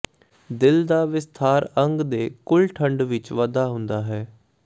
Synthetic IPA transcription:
d̪ɪld̪aːʋɪst̪ʰaːɾəŋɡd̪eːkʊlʈʰəɳɖʋɪt͡ʃʋəd̪aːɦʊ̃nd̪aːɦɛː

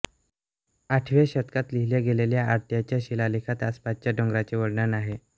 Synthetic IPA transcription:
aʈʰʋeɕət̪kat̪liɦiljaɡeleljaʔːɾt̪jat͡ɕjaɕilalikʰat̪aspat̪̚t͡ɕjaɖɔŋɡɾat͡ɕeʋəɽɳənaɦe

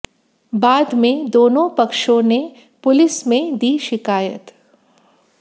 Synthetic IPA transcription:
baːd̪mẽd̪oːnõpɐkʃõne | pʊlɪsmẽd̪iːʃɪkaːjə̰t̪

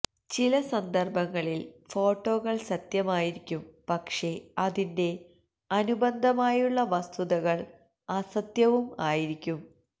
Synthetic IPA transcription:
t͡ɕilɐsɐnd̪ʱɐrbɐŋːɐɭilfo̞ːʈːo̞ːɣɐɭsɐt̪jɐmaːjiɾikʲːumpɐkʂe̞ɐðinde̞ | ɐnubɐnd̪ʱɐmaːjuɭːɐʋɐst̪ʰuðɐɣɐɭ | ɐsɐt̪jɐʋumaːjiɾikʲːum

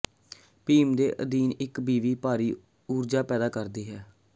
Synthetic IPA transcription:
piːmd̪eːʔə̰d̪iːnɪkbiːʋiːpaːɾiː | uːɾd͡ʒaːpɛːd̪aːkəɾd̪iːɦɛː

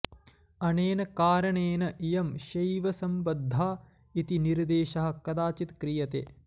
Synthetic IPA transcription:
ɐneːnɐkaːɾɐɳeːnɐʔijɐmʃɐjʋɐsɐmbɐd̪ʱːaː | it̪iniɾd̪eːʃɐɦɐ̆kɐd̪aːt͡ʃit̪kɾijɐt̪ḛː

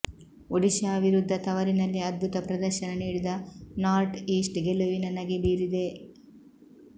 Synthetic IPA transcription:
oɽiʃɐːbʱiɾud̪ʱːɐt̪ɐʋɐɾinɐlːiɐd̪̚bʱut̪ɐpɾɐd̪ɐɾʃɐnɐniːɽid̪ɐnaːɾʈiːsʈɡeluʋinɐnɐɡeniːɾid̪e̞

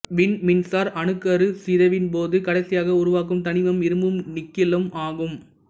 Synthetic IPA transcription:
ʋɪnmɪnsaːɾʔɐnɯkːɐɾɯsɪðɐʋɪnp̬oːðɯkɐɽɐɪsɪjaːɣɐʊɾʊʋaːk̬ɯmt̪ɐnɪʋɐmɪɾɯmbɯmnɪkːɪlɐmaːɣɯm

